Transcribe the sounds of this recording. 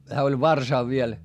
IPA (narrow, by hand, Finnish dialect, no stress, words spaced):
hæː olʲ ʋɑrsɑˑʋ ʋiel